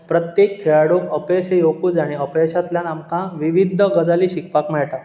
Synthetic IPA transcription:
pɾət̪jekʰːeɭaɽokəpeɕejokud͡zaɽ̃iəpeɕat̪ljanamkãʋiʋid̪ʱːəɡəd͡zaliːɕikpakmɛɭʈ̪a

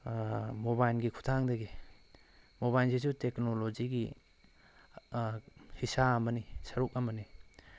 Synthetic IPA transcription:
mobajlɡikʰu̥tʰaŋdeɡi | moβajlsizuteknolod͡ʒiɡi | hisamɐnisɐɾuk̚ɐmɐni

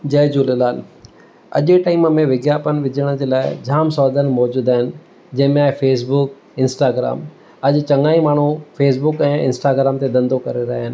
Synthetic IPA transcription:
d͡ʑɐːd͡ʑuːlelaːn | ɐ̰ʄɪʈaːɪməmẽʋɪɡjaːpənɪ̆ʋɪd͡ʑəɽ̃əd͡ʑeːlaːɪd͡ʑʱaːmsɔːd̪ənmɔːd͡ʑuːd̪aːɦɪnɪ̆ | d͡ʑɐ̃ɦɪ̃mẽaːfeːs̬bʊk | ɪ̃nsʈaːɡɾa̰ːm | ɐʄt͡ɕɐ̃ŋaːimaːɳ̤ufʰeːs̬bʊkɛ̃ːɪ̰̃nsʈaːɡɾaːmt̪ed̪ɐ̃nd̪okɐɾeɾɐɦaːɦɪnɪ̆

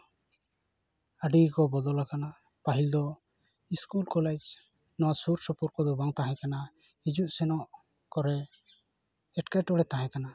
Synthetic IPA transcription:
aɖikɔbɔd̪ɔlakana | paɦild̪ɔ | iskulkɔled͡ʒ | nɔwasuɾsɔpɔɾkɔd̪ɔbaŋt̪aɦɛ̃kana | id͡ʒuʔsɛnɔʔ | kɔɾɛ | ɛʈkaʈɔɽɛt̪aɦɛ̃kana

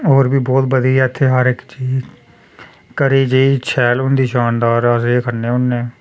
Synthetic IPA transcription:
ɦoːɾbiːbɔːt̪̚bəd̪iːɪt̪ʰːeːɦəɾɪkt͡ʃiːz | kəɾiːd͡ʒeiːt͡ʃʰɛːlʊnd̪iːʃaːnd̪aːɾəseːkʰəɾneːʊnːeː

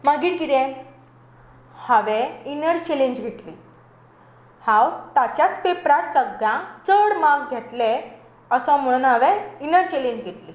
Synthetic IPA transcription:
məɡiːʈɡid̪ẽ | həʋẽinəɾt͡ɕelẽɲd͡ʑɡʱeʈ̪liː | hãwt̪at͡ɕjat͡spepɾat̪səɡãt͡səɽmaɡɡʱet̪le | əsɔ̃m̤əɽ̃uːnɦəʋeinəɾt͡ɕeleɲd͡ʑɡʱeʈ̪liː

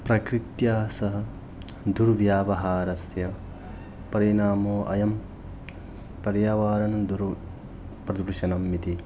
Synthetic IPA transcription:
pɾɐkɾit̪jaːsɐɦɐ̆ | d̪uɾʋjaːʋɐɦaːɾɐsjɐ | pɐɾinaːmoːʔɐ̰jɐm | pɐɾjaːʋaːɾɐnd̪uɾ | pɾɐd̪uɾʃɐnɐmːit̪i

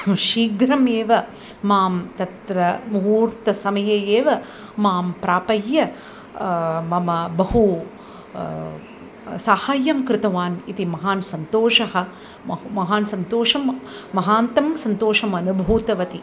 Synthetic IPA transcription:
ʃiːɡɾɐmeːʋɐ | maːmt̪ɐt̪ɾɐmuuːɾt̪ɐsɐmɐjɐjeːʋɐ | maːmpɾaːpɐjːɐ | mɐmɐbɐɦu | saːhaːjɐmkɾɪt̪ɐʋaːnit̪imɐɦaːnsɐnt̪oːʂɐɦɐ̆ | mɐɦaːnsɐnt̪oːʂɐmːɐɦaːnt̪ɐmsɐnt̪oːʃɐmɐnubʱuːt̪ɐʋɐt̪i

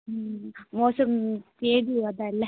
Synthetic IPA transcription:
moːsɐmt̪eːɽiʋɐd̪aːɪlːɛ

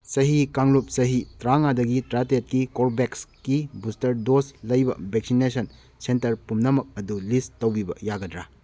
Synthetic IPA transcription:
sɐɦikaŋlup̚sɐɦitɾaŋadɐɡitɾatet̚kikoɾbekskibustɐɾdoslɐjbɐ̰beksinesʰɐn | sentɐɾpumnɐmɐk̚ɐdulistɐwbibɐjaɡɐdɾa

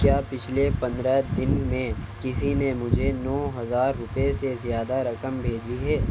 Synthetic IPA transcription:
kjaːpɪt͡ʃʰlepɐ̃nd̪ɾəd̪ɪnmẽkɪsinemʊd͡ʒʱenɔːɦɐzaːɾːʊpesezjaːd̪aɾɐkəmbʱeːd͡ʒiɦɛː

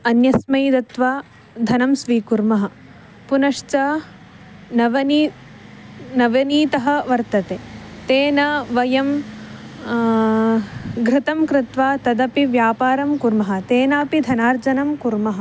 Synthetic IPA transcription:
ɐnjɐsmɐjd̪ɐt̪ʋaː | d̪ʱɐnɐmsʋiːkuɾmɐɦɐ̆ | punɐʂt͡ʃɐ | nɐʋɐni | nɐʋɐniːt̪ɐɦɐ̆ʋɐɾt̪ɐt̪eːt̪eːnɐʋɐjɐm | ɡɾɪt̪ɐmkɾɪt̪ʋaːt̪ɐd̪ɐpiʋjaːpaːɾɐmkuɾmɐɦɐ̆t̪eːnaːpid̪ʱɐnaːɾd͡ʒɐnɐmkuɾmɐɦɐ̆

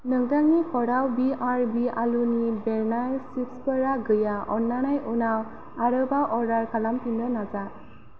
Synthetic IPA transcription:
nɯŋdaŋikɔɽawbiaɹbialunibɛɾnajsipspəɾaɡɯjaɔnːanajʔunaw | aɾɯbaʔɔɾaɾkʰalampindənad͡ʒa

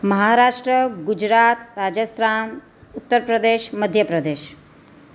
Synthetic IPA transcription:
məɦaɾaːʂʈɾəɡud͡ʒɾat̪ɾad͡ʒəst̪ʰɾan | ut̪ːəɾpɾəd̪eʃməd̪ʱjəpɾəd̪eːʃ

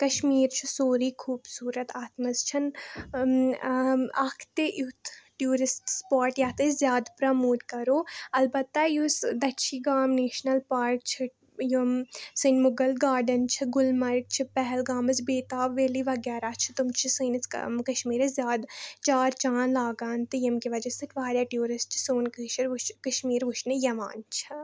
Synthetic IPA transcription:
kɐʃmiːɾt͡ʃʰisoːɾiːkʰuːbsuːɾɐt̪aːt̪mɐzt͡ʃʰɐn | ɐkʰt̪eʔut̪ʈjuːɾɪsʈspaːɾʈjaːt̪ezjaːd̪pɾɐmoːt̪̚kɐɾoːɐlbɐt̪ːajusd̪ɐʃʰiːɡaːmneːʃnɐlpaːɾk̚t͡ʃʰi | josɨnmʊɡɐlɡaːɾɖɐnt͡ʃʰiɡʊlmɐɾk̚t͡ʃʰipɛɦɛlɡaːmɐsbeːt̪aːʋʋeːliʋɐɡɛːɾaːt͡ʃʰi̥t̪umt͡ʃʰisɨnkkɐʃmiːɾɐszjaːd̪t͡ʃaːɾt͡ʃaːnlaːɡaːnt̪ɨjɐmkiʋɐd͡ʒɐsɨʈʋaːɾʲjaːʈjuːɾɪsʈ̚t͡ʃʰi̥soːnkʃɾt͡ʃkɐʃmiːɾʋuʃnejɐʋa̰ːnt͡ʃʰɐ

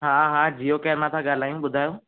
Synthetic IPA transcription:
ɦãːɦãd͡ʒiokeːɾmãt̪ʰãɠaːl̤aːjũɓʊd̪ʱaːjõː

